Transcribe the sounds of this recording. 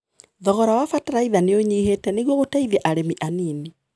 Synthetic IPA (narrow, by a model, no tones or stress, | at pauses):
ðɔɣɔɾawafataɾaiðaneoɲiːɦetɛneɣwɔɣotaiðɛʔaɾemiʔanini